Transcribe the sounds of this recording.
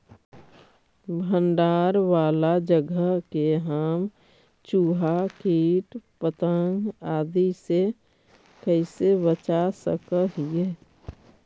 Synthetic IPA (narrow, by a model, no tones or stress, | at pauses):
bʱənɖaːɾʋaːlad͡ʒəɡəɦkeɦaːm | t͡ʃuːɦakiːʈpət̪ə̃ŋɡaːd̪ise | kəɪsebət͡ʃasə̰kəɦije